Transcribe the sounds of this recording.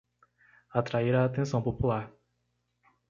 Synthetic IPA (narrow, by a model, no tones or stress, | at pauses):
at̪ɾaiɾaːt̪ẽsɐ̃w̃populaɾ